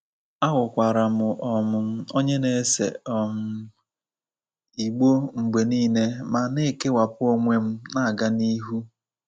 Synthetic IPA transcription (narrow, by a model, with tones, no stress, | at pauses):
a˦ɣʊ˨kʷa˨ɾa˨mʊ˨ʔɔ˨mʊ˨m̩˦o˦ɲe˦ne˨˦sḛ˨ɔ˨mʊ˦ | i˨ɡ͡bo˦ŋ͡m̩˨ɡ͡be˨niː˦ne˦ma˨ne˦˨ke˦wa˨pʊ˦o˦ŋʷe˦m̩˦na˦˨ɡa˦ni˦ɦu˦